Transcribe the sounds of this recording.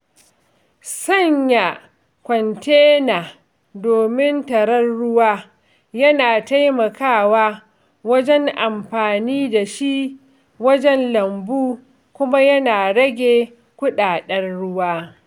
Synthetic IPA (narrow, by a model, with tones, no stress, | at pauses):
sɐ˦ɲja˨ | kʷɔ˨nteː˦naː˨ | doː˨mɪ˦ntɐ˨ɾɐ˦rɽʊ˦waː˦ | jɐ˦naː˨ta˦jmɐ˨kaː˦˨waː˦ | wɐ˦d͡ʒɛ˦ŋʔa˨mɸaː˨niː˦da˨ʃi˦ʔ | wɐ˦d͡ʒɛ˦nlɐ˨mbuː˦ | kʷʊ˦ma˦jɐ˦naː˨ɽɐ˦ɡʲe˨ | kʷʊ˦ɗaː˨ɗɐ˦rɽʊ˦waː˦